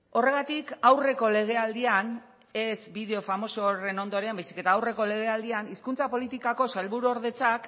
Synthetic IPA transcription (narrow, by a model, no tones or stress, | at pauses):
o̞re̞ɣ̞at̪ikawre̞ko̞le̞ɣ̞e̞ald̪ian | e̞sbiðe̞o̞famo̞soɾe̞no̞nd̪o̞ɾeambajsi̥ke̞t̪aːwre̞ko̞le̞ɣe̞ald̪ianiskunt͡sapo̞lit̪ikako̞salβuɾuoɾðe̞t͡sak